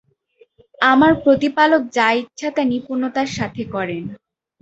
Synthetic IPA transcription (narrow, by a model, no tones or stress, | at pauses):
amaɾpɾot̪ipalok̚d͡ʑajt̪̚t͡ɕʰat̪anipuɾnot̪aɾʃat̪ʰekɔɾen